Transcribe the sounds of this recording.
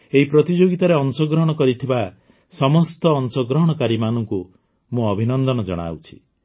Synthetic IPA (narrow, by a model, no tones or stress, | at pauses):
eɦipɾɔt̪id͡ʒoɡit̪aɾeɔnsɔɡɾɔɦɽ̃ɔkɔɾit̪ʰiba | sɔmɔst̪ɔːnsɔɡɾɔɦɽ̃ɔkaɾimanɔŋku | mũɔbʱinɔnd̪ɔnɔd͡ʒɔ̰ɽ̃a̰wt͡ʃʰi̥